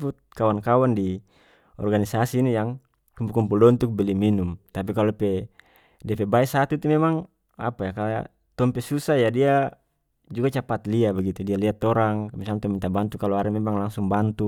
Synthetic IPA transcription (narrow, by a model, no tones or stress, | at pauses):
put̪̚kawankawandi | ɔ̰rɡanisasiːnijaŋ | kumpukumpuldɔnt̪uk̚biliminumt̪ap̬ikalɔpɛ | diapɛbaɛsat̪ut̪umɛmaŋ | a̰pajakal̰ | t̪ɔmpɛsusajadia | d͡ʒuɡat͡ʃapat̪liabaɡit̪udialiat̪ːɔɾaŋmisalaŋt̪ɔmint̪abant̪ukalɔaɾɛmɛmaŋlaŋsuŋbant̪u